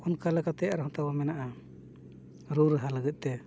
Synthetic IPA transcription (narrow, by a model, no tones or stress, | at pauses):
ɔnkalɛkat̪ɛjaɾɦɔt̪abamɛnaʔa | ɾuɾəɦaləɡət̪̚ˀt̪ɛ